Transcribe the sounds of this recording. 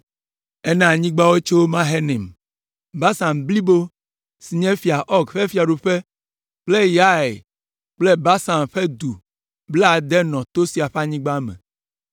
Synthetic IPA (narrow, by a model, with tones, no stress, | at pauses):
ɛ˦nɛ̃˨a˨ɲĩ˦ɡ͡ba˦we˦t͡ʃo˦wo˦mã˦ɦe˦nɛ̃˨m | ba˦sa˨mbli˦bo˦ | si˨ɲɛ̃˦fi˨a˨ʔɔ˦ɡɸe˦fi˨a˨ɖu˨ɸe˦ | k͡ple˦ja˦ḛ˨ | k͡ple˦ba˦sa˨mɸe˦d̪u˨ | bla˨d̪ɛ˦nɔ̃˨t̪o˦si˨a˨ɸa˦ɲĩ˦ɡ͡ba˦mɛ̰̃˨